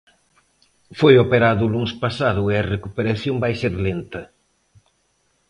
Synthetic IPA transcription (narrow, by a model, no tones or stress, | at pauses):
fojopeɾaðʊluŋspasaðʊeɐrekupeɾaθjombajseɾlent̪ɐ